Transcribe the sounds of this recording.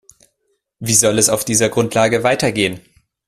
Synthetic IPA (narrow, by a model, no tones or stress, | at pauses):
viːzɔlɛsaʊfd̥iːzɐɡʁʊntʰlaːɡəvaɪtɐɡeːən